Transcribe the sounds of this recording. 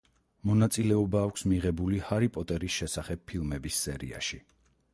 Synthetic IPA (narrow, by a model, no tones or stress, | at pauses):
mɔnat̪sʼilɛɔbaːkʷʰsmiʁɛbulihaɾipʼɔt̪ʼɛɾisʃɛsaχɛb̚ʰilˠmɛbisːɛɾḭa̰ʃi